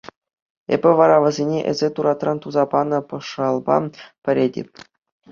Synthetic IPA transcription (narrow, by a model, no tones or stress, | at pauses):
ḛbʲɘ̆ʋɑɾɑʋɤ̆zʲenʲeʔɘ̰̆zʲet̪uɾɑt̪rɑnt̪uzɑpɑnɤ̆pɤ̆ʂɑlˠbɑ̰pʲɘ̆ɾʲedʲḛpʲ